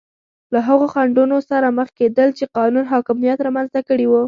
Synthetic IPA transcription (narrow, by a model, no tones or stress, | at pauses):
laɦaɣoxaɳɖunosaɾaməxked̪əlt͡ʃeqɑnunɦɑkɪmijat̪ɾɑmanzt̪akəɽiwu